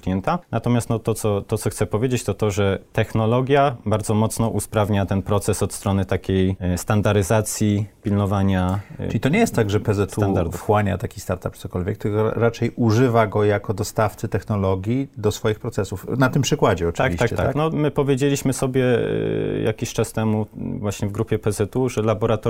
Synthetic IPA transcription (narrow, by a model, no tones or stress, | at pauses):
jɛnt̪anat̪ɔmʲjast̪nɔt̪ɔt̪sɔt̪ɔt̪sɔxt̪sɛpɔvʲjed͡ʑet͡ɕt̪ɔt̪ɔʐɛt̪ɛxnɔlɔɡʲjabaɾdzɔmɔt̪snɔʔuspɾavɲat̪ɛnpɾɔt̪sɛsɔt̪st̪ɾɔnɘt̪akʲejst̪and̪aɾɘzat̪sʲjipʲilnɔvaɲaʈ͡ʂɨlʲit̪ɔɲejɛst̪t̪ːaɡʐɛpɛzɛt̪uand̪aɾxwaɲa̰t̪akʲist̪aɾt̪ap̪̚sɔkɔlvʲɛk̚t̪ɘkɔ̰ɾat͡ʂɛjuʐɘvaɡɔjakɔd̪ɔst̪aft̪sɘt̪ɛxnɔlɔɡʲjid̪ɔsfɔjixpɾɔt̪sɛsufnat̪ɘmpʂɘkwad͡ʑɛɔt̪akviɕakt͡ɕɛaanɔmɘpɔvʲjed͡ʑelʲiɕmɘsɔbʲjɛ | jʔa̰kʲiɕt͡ʂast̪ɛmuvwaɕɲɛvɡɾupʲjɛpɛzɛt̪uʐɛlabɔɾat̪ɔ